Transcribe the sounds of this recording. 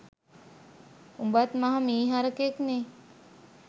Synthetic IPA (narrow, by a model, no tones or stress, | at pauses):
umbat̪mɐɦɐmiːɦaɾəkekneː